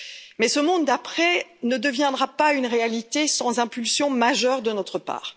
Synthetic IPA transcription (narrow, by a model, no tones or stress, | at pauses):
mɛsəmɔ̃d̪ːapχɛnəd̪əvjɛ̃d̪ʁapaynʁealit̪esɑ̃zɛ̃pylsjɔ̃maʒœʁd̪ənɔt̪χəpa̰ːʁ